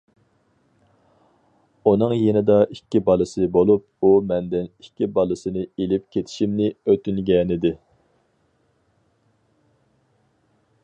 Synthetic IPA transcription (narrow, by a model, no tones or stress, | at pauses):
unɨŋjenɪd̪ɑʔikʲːibɑlˠɨsɨbolˠup̚ | umɛnd̪ɪnikʲːibɑlˠɨsɨnɨelɪpkʲʰet̪ʰɪ̥ʃimnɪøt̪ynɡʲɛːnɪd̪ɪ